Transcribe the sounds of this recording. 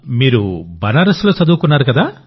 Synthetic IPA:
miɾubanaɾɔslosɔd̪ukunaɾɔkad̪a

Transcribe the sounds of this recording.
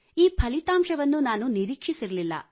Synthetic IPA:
iːpʰɐlit̪aːmʂɐʋɐnːunaːnuniɾiːkʂisiɾɐlilːɐ̰

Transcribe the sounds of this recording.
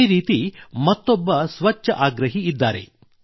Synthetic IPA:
iɾiːt̪imɐt̪ːɔbːɐsʋɐt͡ʃːɐʔaːɡɾɐɦiːd̪ːaːɾe̞̰

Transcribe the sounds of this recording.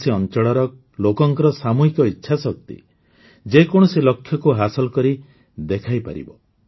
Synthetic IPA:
seɔnt͡ʃɔɽɔɾɔ | lokɔŋkɔɾɔsamuɦikɔitːʃʰasɔkt̪ḭ | d͡ʒekɔɽ̃ɔselɔkʰːjɔkuɦasɔlɔkɔɾi | d̪ekʰajpa̰ɾḭbɔ

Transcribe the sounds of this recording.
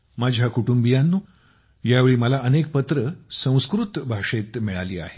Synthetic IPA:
mad͡ʑʱjakuʈumbijanːu | jaʋeɭiːməlaʔənek̚pət̪ɾəsə̃w̃skɾut̪bʱaʂet̪miɭaliːa̰ɦe

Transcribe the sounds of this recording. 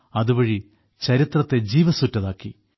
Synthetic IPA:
ɐðubɐɻi | t͡ɕɐɾit̪rɐt̪ːe̞d͡ʑiːʋɐsutːɐðaːkːi

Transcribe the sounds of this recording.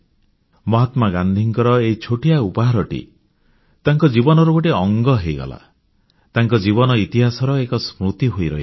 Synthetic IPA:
mɔɦat̪maɡand̪ʱiŋkɔɾɔeit͡ʃʰoʈijaupaɦaɾɔʈḭ | t̪aŋkɔd͡ʒibɔnɔɾɔkoʈeɔŋɡɔɦejɡɔ̰la̰ | t̪aŋkɔd͡ʒiβɔnɔit̪iɦasɔɾɔekɔsmɾut̪iɦojɾɔ̰ɦi

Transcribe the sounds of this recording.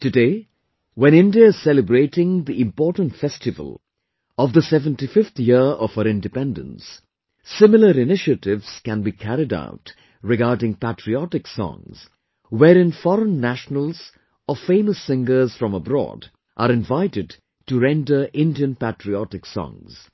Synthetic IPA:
tɨdeɪ | wɛ̃ñɪ̃ndiəɪz̥sɛləbɾeɪtɪ̃ŋd̪iɪ̃mpɔɹtə̃n̩tfɛstɨvə̰lˠ | ɔvðəsɛvə̃ntifɪft̪ʰjɪɔv̥əɾɪ̃ndɨpɛ̃ndə̰̃nsː | ɪmɪl̩ˠəɾɪnɪʃətɪvz̥kæ̃nbikʰæɾɪda̰ʊt | ɹɪɡaːdɪ̃ŋpætɹiɔtɪksɔ̰̃ŋz̥ | wɛɾɪ̃nfɔɾə̃nːæʃnəlˠz | ɔfẽɪməsːɪ̃ŋɡə˞z̥fɹʌ̃məbɾɔ̰ːd | ʔəɾɪ̃ɱvaɪtɨd | tuɹɛ̃ndə˞ʔɪ̃ndiə̃npætɹiɔtɪksɔ̰̃ŋz̥

